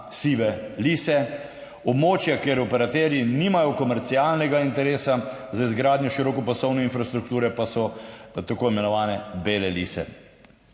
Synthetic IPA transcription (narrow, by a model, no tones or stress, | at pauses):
siːʋɛliːsɛ | ɔbmoːt͡ʃjakeɾɔpɛɾat̪ɛɾjiniːmajɔkɔmɛɾt̪sialnɛɡaint̪ɛɾeːsazaizɡɾaːd̪nʲjɔʃiɾɔːkɔpasɔwnɛinfɾast̪ɾukt̪uːɾɛpasɔt̪akoːimɛnɔʋaːnɛbelɛlḭːsɛ̰